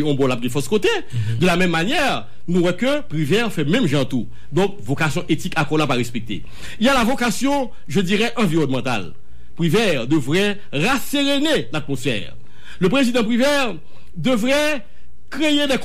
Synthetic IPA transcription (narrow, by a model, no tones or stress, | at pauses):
ɔ̃bɔ̃lap̚ɡɛ̃fɔskot̪e | d̪əlamɛ̃mːanjɛʁ | nũwɛkøpʁivɛʁfɛmɛ̃mʒɑ̃t̪u | d̪ɔ̃k̚vokasjɔ̃ʔet̪ikakɔlapaʁɛspek̚t̪ḛ | iljalavokasjɔ̃ | ʒədiʁɛʔɑ̃viʁɔnmɑ̃t̪a̰l | pʁivɛʁd̪əvʁɛ | ʁaseʁenelat̪̚mosfɛ̰ːʁ | ləpʁezid̪ɑ̃p̬ʁivɛʁ | d̪əvʁɛ | kʁejed̪ɛk